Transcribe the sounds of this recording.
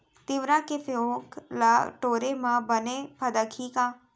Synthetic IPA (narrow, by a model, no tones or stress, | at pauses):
t̪ɪʋɾãkefoklaʈoːɾemãbənepʰɐd̪əkʰikãː